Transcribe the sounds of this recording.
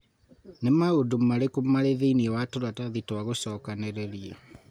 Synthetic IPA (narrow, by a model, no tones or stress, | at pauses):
nemaodomaɾekomaɾeðeiniɛwatoɾataðitwaɣosɔːkaneɾɛɾia